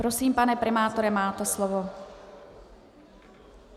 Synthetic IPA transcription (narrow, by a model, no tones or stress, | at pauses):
pɾosiːmpanɛpɾʔɛmaːt̪oɾɛmaːt̪ɛslovo